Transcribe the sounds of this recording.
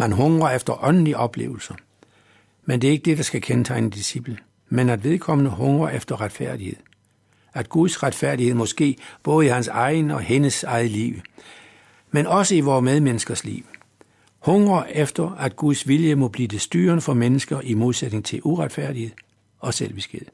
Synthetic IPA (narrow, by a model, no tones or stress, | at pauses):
mænɦɔ̽ŋʁɐefd̥ɐʔɒ̽nn̩liʔɒ̽b̥le̝̰ːʊl̩sɐ | mend̥e̝ɐe̝ɡ̥əd̥e̝d̥ɑ̈sɡ̥ækʰent͡sʰɑ̈ɪnəd̥isib̥lə | menæd̥ʋe̝ð̞ˠkʰɒ̽m̰nəɦɔ̽ŋʁɐefd̥ɐʁad̥fæɐ̰d̥ihe̝ð̰ˠ | æd̥ɡ̥uðˠsʁad̥fæɐ̰d̥ihe̝ð̰ˠmɒ̽sɡ̥e̝̰ːb̥ɔ̽ːð̞̩ˠihænsɑ̈ɪnəɒ̽he̝nəsɑ̈ɪð̩ˠəlḭʊ | menɒ̽səiʋɒːmeð̞ˠmenəsɡ̥ɐslḭːʊ | hɔ̽ŋʁɐʔefd̥ɐæd̥̚ɡ̥uðˠsʋiljəmɒ̽b̥lḭːd̥e̝sd̥yːɐnəfɒ̽menəsɡ̥ɐʔimo̝ðˠsed̥ne̝ŋt͡sʰe̝lʔuʁad̥fæɐ̰d̥ihe̝ðˠ | ɒ̽sel̰ʋisɡ̥eð̰ˠ